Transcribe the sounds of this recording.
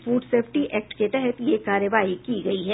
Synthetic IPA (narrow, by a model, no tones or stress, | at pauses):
fuːɖseːfʈiʔʔɛːk̚ʈket̪ɛɦɛt̪jekaːɾjəʋaːikiɡɐiɦɛː